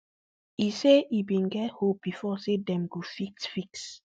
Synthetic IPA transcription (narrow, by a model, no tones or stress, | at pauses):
iseʔibĩnɡɛt̚hop̚b̥ifɔsedɛ̃mɡofiksfiks